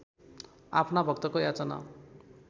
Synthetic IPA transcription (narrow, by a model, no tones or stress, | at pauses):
apʰnabʱʌk̚t̪ʌkojat͡sʌna̰